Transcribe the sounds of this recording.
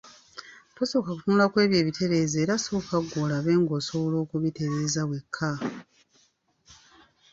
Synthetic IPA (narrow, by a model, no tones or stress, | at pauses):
kosoːkakutunulakwe̞ːβje̞ːβitʰe̞βe̞ːzeːɾasoːkaɡːoːlaβe̞ːŋɡo̞soβolo̞ːkuβite̞βe̞ːzawe̞kʰːa